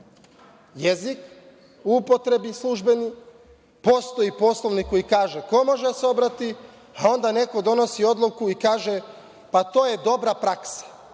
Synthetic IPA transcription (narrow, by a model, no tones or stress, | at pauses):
jezik | uupo̞t̪ɾe̞bislˠuʒbe̞ni | po̞st̪oipo̞slˠo̞ʋnikojikaːʒeko̞mo̞ʒeseo̞bɾat̪i | ao̞nd̪ane̞ko̞d̪o̞no̞sio̞d̪lˠukuikaːʒe̞ | pat̪o̞ːje̞d̪o̞bɾapɾaksḁ